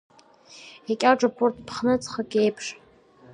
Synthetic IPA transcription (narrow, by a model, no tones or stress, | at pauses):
akʲʼaʈ͡ʂʼapʰortʰʼpʰχnɨt͡sʼχəkʲʼejpʰʂ